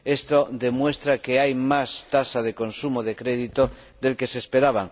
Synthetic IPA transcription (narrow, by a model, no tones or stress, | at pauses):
e̞st̪od̪e̞mwe̞st̪ɾakeajmast̪asað̞e̞ko̞nsumoðekɾe̞ð̞it̪o | ðe̞lke̞sespeɾaβ̞aŋ